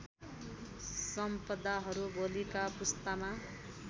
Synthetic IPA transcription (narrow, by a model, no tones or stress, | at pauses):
sʌmpʌd̪aɦʌɾubolikapust̪ama